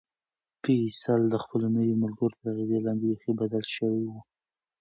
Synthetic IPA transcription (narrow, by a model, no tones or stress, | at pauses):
pisald̪əxpəlonəwimalɡaɾot̪əɾaɣizelɑnd̪exibad̪alʃəwewu